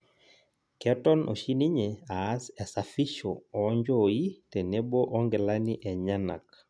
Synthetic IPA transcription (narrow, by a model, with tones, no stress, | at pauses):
kɛ˦tɔ˦nʔɔ̰˨ʃi˦ni˦ɲɛa˨a˦sɛ˨sa˨fi˦ʃɔɔ˦ɲd͡ʒɔi˦tɛ˨nɛ˦bɔ˦ʔɔ˦ŋɡɛ˨la˦ni˦ʔɛ˨ɲa˦na̰˨k̚